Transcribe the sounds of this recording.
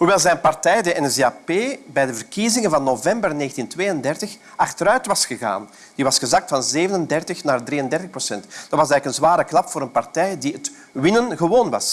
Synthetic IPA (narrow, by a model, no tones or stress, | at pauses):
ɦuʋɛlˠzɛjnpɑrtɛjdəʔɛnseapeːbɛjdəvərkizɪŋənvɑnːovɛmbərneːxəntintʋeːjəndɛrtəx | ʔɑxtəɾœɥtʋɑsxəɣa̰ːn | d̥iʋɑsxəzɑk̚tfɑnzeːvənəndɛrtəxnaːrdriːəndɛrtəxprosɛntd̥ɑtwɑsɛːɣləkənzʋaːɾəklɑpfoːɾənpɑrtɛjdiət | ʋɪnənɣəʋoːnʋɑ̰s